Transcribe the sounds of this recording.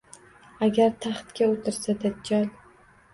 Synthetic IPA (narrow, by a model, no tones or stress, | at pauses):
aɡʲaɾt̪ʰaχt̪kʲaot̪ʰɪɾsad̪ad̪̚d͡ʒɒlˠ